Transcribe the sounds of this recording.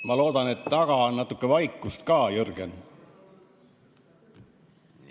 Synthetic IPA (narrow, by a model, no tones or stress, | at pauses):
mɑlo̞ːd̪̥ɑne̞t̪ːɑɡ̥ɑonnːɑt̪ːˑukːe̞vɑjkːˑust̪kɑːjørɡ̥ḛn